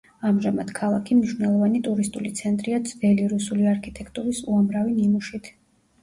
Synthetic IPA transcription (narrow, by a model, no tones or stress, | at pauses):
amʒamad̪̥kʰalˠakʰimniʃvnɛlˠɔvanit̪ʼuɾist̪ʼulit̪sʰɛnt̪ʼɾiad̪zvɛliɾusuliaɾkʰit̪ʼɛkʰt̪ʼuɾisuamɾavininuʃit̪ʰ